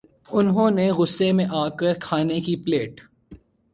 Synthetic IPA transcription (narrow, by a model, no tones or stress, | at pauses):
ʊnɦõːneɣʊsːemẽʔaːkəɾkʰaːnekipleːʈ